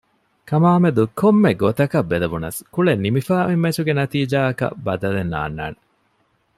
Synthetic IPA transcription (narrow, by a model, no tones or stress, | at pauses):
kɐmaːmed̪ukomːeɡot̪ɐkɐbːelɐʋunɐ̰skuɭenːimifaːʔimːet͡ʃuɡenɐt̪iːd͡ʒaːɐkɐ̰bɐd̪ɐlenːa̰ːnːa̰ːne